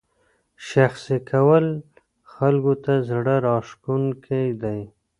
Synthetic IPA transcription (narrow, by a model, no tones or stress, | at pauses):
ʃaxsikʰawəl | xalɡot̪azɽəɾɑʂkunkʰajd̪aj